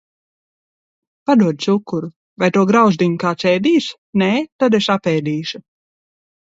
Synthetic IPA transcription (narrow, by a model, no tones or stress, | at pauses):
pad̪uɔd̪̚sukːuɾu | vajt̪uɔɡɾawzd̪iŋkaːt͡ʃ̪ɛːd̪iːʃ | neːt̪ad̪eʃapɛːd̪iːʃu